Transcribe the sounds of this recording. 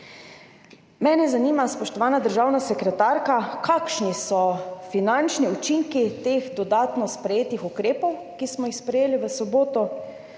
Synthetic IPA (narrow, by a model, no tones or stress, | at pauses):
mɛːnɛzaniːmaspɔʃt̪ɔʋaːnad̪əɾʒaːwnasɛkɾɛt̪aːɾkakakʃnisɔfinant͡ʃniut͡ʃiŋkit̪eːxd̪ɔd̪aːt̪nɔspɾɛjeːt̪ixukɾeːpɔwkismɔjixspɾɛjeːliʋəsɔboːt̪ɔ